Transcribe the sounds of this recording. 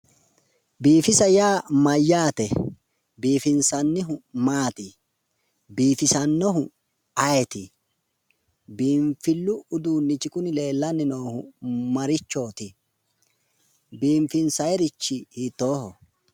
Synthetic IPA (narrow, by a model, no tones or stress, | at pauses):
biːfɪsɐjaːmɐjːaːt̪ɛ | biːfɪnsɐnːɪɦʊmaːt̪ɪ | biːfɪsɐnːɔɦʊ | ɐjɛt̪ɪ | biːɱfɪlːʊʊd̪uːnːɪt͡ʃɪkʊnɪle̞ːlːɐnːɪnoːhʊ̰mɐɾɪt͡ʃːo̞ːt̪ɪ | biːɱfɪnsɐjɛɾɪt͡ʃːɪhit̪ːo̞ːhɔ